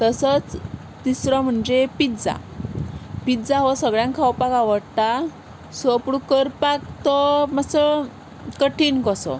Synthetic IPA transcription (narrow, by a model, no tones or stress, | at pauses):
t̪əsət͡s | d̪isɾɔm̤əɳd͡ʑepit̪d͡za̰ | pit̪d͡zaɦɔsəɡɭjãŋkʰawpakaʋəɽt̪a | sɔpɽukəɾpak̚t̪ɔmasə | kəʈʰinkɔsɔ̰